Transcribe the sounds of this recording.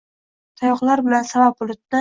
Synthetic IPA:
t̪ʰajɒqlˠaɾbɪlansabap̚ʊlˠʊt̪̚nɪ

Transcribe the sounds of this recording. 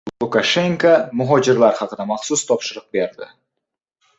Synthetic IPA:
ʊkaʃe̞ŋkamʊɦɒd͡ʒɪɾlaɾhɑqɨd̪amɑχsʊst̪ʰɒpʃɪɾɨq̚be̞ɾd̪ɪ̰

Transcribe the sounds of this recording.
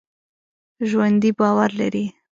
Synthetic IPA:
ʒwand̪ibɑwaɾlaɾi

